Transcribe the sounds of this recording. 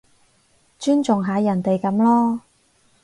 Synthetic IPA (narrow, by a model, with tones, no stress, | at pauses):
t͡ʃyː˥nt͡sʊ˨ŋɦaː˨˧jɐ˨˩nt̪e˨jkɐ˨˥mlɔː˥